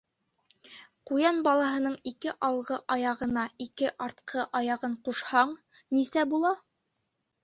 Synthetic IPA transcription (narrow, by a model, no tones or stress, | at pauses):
qujɑnbɑlˠɑɦɤ̆nɤɴikɘʔɑlˠʁɤʔɑjɑʁɤ̆nɑikɘʔɑɾt̪̚qʰɤʔɑjɑʁɤɴquʃhɑɴ | nisæbulˠɑ